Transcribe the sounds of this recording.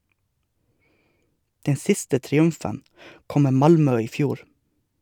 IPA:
ˈdɛn ˈsɪstə tɾɪˈʉmfən ˈkɔm ˈmeː ˈmɑlmœ ˈiː ˈfjuːɾ

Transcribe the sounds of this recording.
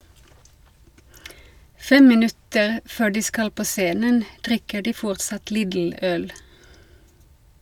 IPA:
ˈfɛm mɪˈnʉtəʁ ˈføː ˈɖiː ˈskɑl ˈpoː ˈseːnən ˈdʁɪkə ˈɖiː ˈfɔʁtsɑt ˈliːdl̩ ˈœl

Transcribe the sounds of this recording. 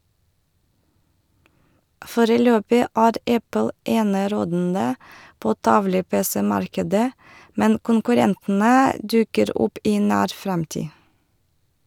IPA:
ˈfoːɾəˌløːpɪ ˈæːɾ ˈɛpl̩ ˈeːnəˌɾoːdn̩də ˈpoː ˈtɑʋlə ˈpeːsɛ ˈmɑɾkədə ˈmɛn kʊŋkʉˈɾɛntn̩ə ˈdʉkəɾ ˈʊp ˈiː ˈnæːɾ ˈfɾɛmtiː

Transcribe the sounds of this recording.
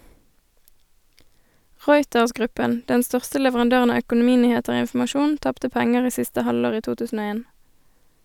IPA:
ˈʁɔʏtəʁsˌɡʁʉpən ˈdɛn ˈstœʁstə lɛʋəʁɑnˈdøːʁən ˈɑː œkʊnʊˈmiːnyːˌheːtəʁ ˈoː ɪnfm̩ɑˈʃuːn ˈtɑptə ˈpɛŋəʁ ˈiː ˈsɪstə ˈhɑloːʁ ˈiː ˈtuː ˈtʉːsn̩ ˈoː ˈeːn

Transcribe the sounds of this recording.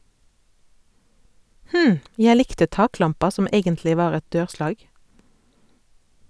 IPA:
ˈhm̩ ˈjæ ˈlɪktə ˈtɑːˌklɑmpɑ ˈsɔm ˈeːɡəntlɪ ˈʋɑːʁ ˈɛt ˈdøːʁˌslɑːɡ

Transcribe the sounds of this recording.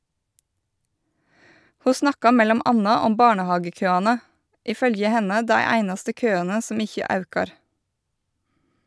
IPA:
ˈhuː ˈsnɑkɑ ˈmɛlɔm ˈʔɑnɑ ˈɔm ˈbɑːɳəˌhɑːɡəˌkøːɑnə ˈʔiː ˈfœljə ˈhɛnə ˈdæɪ ˈæɪnɑstə ˈkøːɑnə ˈsɔm ˈɪçə ˈɑʉkɑɾ

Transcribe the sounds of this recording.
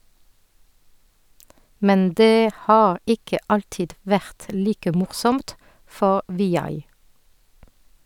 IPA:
ˈmɛn ˈdeː ˈhɑːʁ ˈɪkə ˈɑltɪd ˈʋæʁt ˈliːkə ˈmʊʁsɔmt ˈfɔʁ ʋɪˈjɑɪ

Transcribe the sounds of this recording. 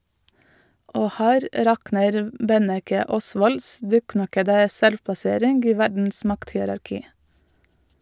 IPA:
ˈoː ˈhæːɾ ˈɾɑknəɾ ˈbɛnɛkə ˈɔsʋɔls ˈdʉːˌknɑkədə ˈsɛlʋpɑˌseːɾɪnɡ ˈiː ˈʋæɖɳ̩s ˈmɑkthɪəɾɑɾˌkiː

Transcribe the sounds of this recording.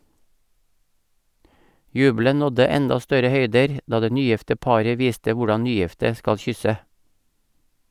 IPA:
ˈjʉːblən ˈnɔdə ˈɛndɑ ˈstœɾə ˈhœʏdəɾ ˈdɑː ˈdeː ˈnyːˌjɪftə ˈpɑːɾə ˈʋiːstə ˈʋʊɖɑn ˈnyːˌjɪftə ˈskɑl ˈçʏsə

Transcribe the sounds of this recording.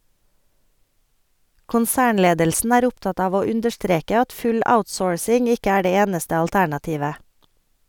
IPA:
kʊnˈsæːɳˌleːdəlsn̩ ˈæːɾ ˈʊpˌtɑt ˈɑːʋ ˈoː ˈʉndəʃˌtɾeːkə ˈɑt ˈfʉl ˈaʊtˌsoːɹsɪŋ ˈɪkə ˈæː ˈdeː ˈeːnəstə ɑlˈtæɳɑˌtiːʋə

